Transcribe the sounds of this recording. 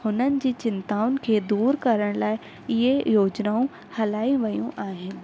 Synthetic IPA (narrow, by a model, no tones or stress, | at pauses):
hʊnənɪ̆d͡ʑiːt͡ɕɪnt̪aːʊnɪ̆kʰeːd̪uːɾkɐɾəɽ̃laːɪ | ɪɦejoːd͡ʑnaːũ | hɐlaːĩʋɐjṵ̃ʔaːɦɪnɪ̆